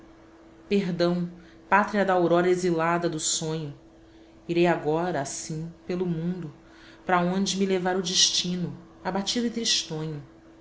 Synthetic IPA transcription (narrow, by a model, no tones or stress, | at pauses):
peɦd̪ɐ̃w̃ | pat̪ɾiɐd̪ɐowɾɔɾɐezilad̪ɐd̪ʊsõɲʊ | iɾejaɡɔɾɐːsĩpelʊmũnd̪ʊ | pɾɐõnd͡ʒɪmilevaɾʊd͡ʒiʃt͡ʃĩnʊ | abat͡ʃid̪ʊit̪ɾiʃt̪õɲʊ